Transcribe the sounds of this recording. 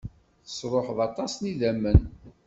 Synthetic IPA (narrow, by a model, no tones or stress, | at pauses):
θə̥sˤɾˤoħðɑt̪ˤɑsniðæmːən